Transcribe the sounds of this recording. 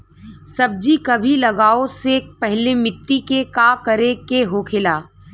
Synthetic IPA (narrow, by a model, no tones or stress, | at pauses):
sɐb̚d͡ʒikɐbʱilɐɡaːosek̚pɛɦlemɪʈːikekaːkɐɾekeɦokʰɪlaː